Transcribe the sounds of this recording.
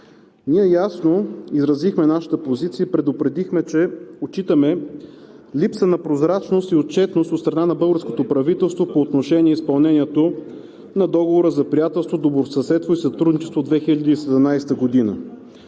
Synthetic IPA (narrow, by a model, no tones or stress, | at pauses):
niɛjasnoizɾɐzixmɛnaʃə̥t̪əpozit̪siəipɾɛd̪opɾɛd̪ixmɛt͡ʃɛot͡ʃit̪əmɛ | lipsənɐpɾozɾat͡ʃnost̪iot̪̚t͡ʃɛt̪nost̪ot̪st̪ɾɐnanɐbɤlˠɡəɾskot̪opɾɐvit̪ɛlˠst̪vopoːt̪noʃɛniɛispɐlˠnɛniɛt̪o | nɐd̪ɔɡovoɾəzɐpɾijat̪ɛlˠst̪vod̪oboɾsɐsɛt̪voisɐt̪ɾud̪nit͡ʃɛst̪vod̪vɛxiləd̪iːsɛd̪ɛmnajst̪əɡod̪inə̰